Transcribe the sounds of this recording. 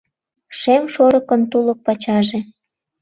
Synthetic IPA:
ʃemʃoɾəkənt̪ulə̆k̚pɑt͡ɕɑʒe

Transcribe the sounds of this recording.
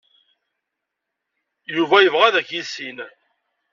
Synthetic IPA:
juvæjəvʁæðæçisin

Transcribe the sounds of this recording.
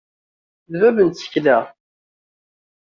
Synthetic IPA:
ðvævənt̪t͡sːə̥çlæ

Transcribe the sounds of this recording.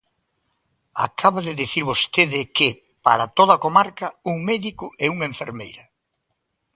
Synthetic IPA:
a̰kʰaβaðɪðiθiɾβost̪eðɪke | pa̰ɾat̪oðɐkomaɾkɐuŋmɛðikʊʔɛuŋeɱfeɾmḛjɾɐ

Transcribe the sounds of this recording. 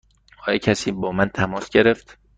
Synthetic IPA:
ɒːjecʰæsiːbɒːmænt̪ʰæmɒːsɟe̞ɾeft̪

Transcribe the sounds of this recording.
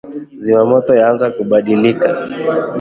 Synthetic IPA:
zimamɔtɔjaanzakuɓaɗilika

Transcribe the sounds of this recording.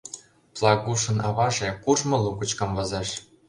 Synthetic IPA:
plˠɑɣuʃɤ̆nɑβɑʒĕkurʒmɤ̆lukə̆t͡ɕkɤ̆mvɤ̆zɑʃ

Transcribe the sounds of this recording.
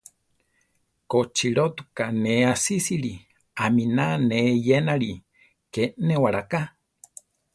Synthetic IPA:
kot͡ʃiɾot̪ukaneasisiɾi | aminanejenaɾi | kenewaɾaka

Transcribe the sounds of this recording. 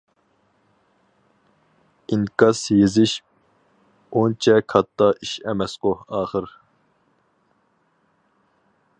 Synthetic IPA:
inkɑsjezɪʃ | ont͡ʃʰɛkʰɑt̪ʰːɑʔiʃɛmɛsqohɑːχəɾ

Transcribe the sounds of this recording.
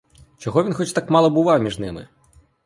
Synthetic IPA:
t͡ʃɔɦɔʋʲinxɔt͡ʃt̪ɑkmɑlˠɔbʊʋɑwmʲiʒnɪmɪ̰

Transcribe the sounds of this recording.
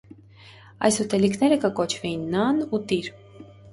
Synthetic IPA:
ɑ̰jsut̪ɛlikʰnɛɾəkəkɔt͡ʃʰvɛjinːɑnut̪iɾ

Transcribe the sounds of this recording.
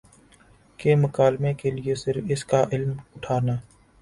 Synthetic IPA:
kemʊkaːlmekelɪesɪɾfɪskaʔɪlmʊʈʰaːnaː

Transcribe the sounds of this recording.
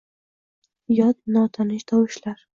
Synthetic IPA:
jɒt̪nɒt̪ʰanɪʃd̪ɒwɪʃlaɾ

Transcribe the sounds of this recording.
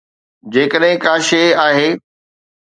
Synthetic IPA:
d͡ʑeːkəɗɦɪ̃kãːʃeːaːɦeː

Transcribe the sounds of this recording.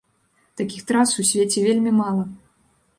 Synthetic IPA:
t̪akʲixt̪ɾasusʲvʲet͡sʲɛvʲelʲmʲimalˠɐ

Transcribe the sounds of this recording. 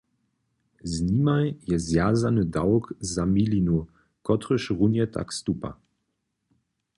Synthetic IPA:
znimajjɛzjaːzanədaʊkzamilinu | kɔtʁəʃʁunjətʰa̰kstupa̰

